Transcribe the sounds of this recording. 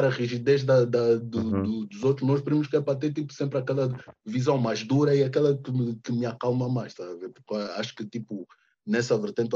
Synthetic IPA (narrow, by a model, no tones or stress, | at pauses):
ɾɐʁiʒid̪eʒd̪ɐd̪ɐd̪ud̪ud̪uzowt̪ɾuʒnɔʃpɨɾimuʃkɛpɾɐt̪̬eɾt̪ipu̥sẽmpɾɐkɛlˠɐvizɐ̃w̃majʒd̪uɾɐiɐkɛlˠɐkɨmɨkɨmɨakalˠmɐmajʃt̪azɐveɾpuɾkaaʃu̥kɨt̪ipu | nɛsɐvɨɾt̪ẽnt̪